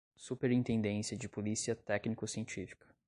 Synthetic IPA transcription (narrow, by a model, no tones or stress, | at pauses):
supeɾĩt̪ẽnd̪ẽsiɐd͡ʒɪpolisiɐt̪ɛknikʊsiẽnt͡ʃifi̥kʰɐ̥